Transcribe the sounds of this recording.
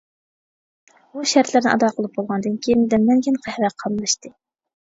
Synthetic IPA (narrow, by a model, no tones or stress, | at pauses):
buʃæɾt̪lɪɾnɪ̰ʔɑ̰d̪ɑqʰəlˠɨp̚bolˠʁɑnd̪ɨnkʲʰejind̪ɛmɛnkʲinqʰæhɾɛqʰɑlˠlˠɨʃt̪ɨ